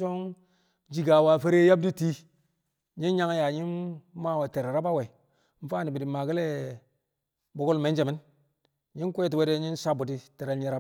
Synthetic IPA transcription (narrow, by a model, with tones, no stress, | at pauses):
so˦ŋ | d͡ʒi˨ɡa˨wa˨fe˦ɾe˦ja˦b̚di˦ti˦ | ɲi˦nɲa˦ŋ˦ja˨ɲi˦nma˦˨we˨te˨ɾɾa˦ba˦we˨˦ | m̩˦fa˦ni˨bi˨di˨ma˨ɡi˦le˦ | bo˦ɡu˦lme˨˦nd͡ʒe˨mi˦n | ɲi˦kʷe˦t̬i˨we˦de˦ɲi˦nsa˦bu˨ti˦te˨ɾe˦lɲi˦ɾa˦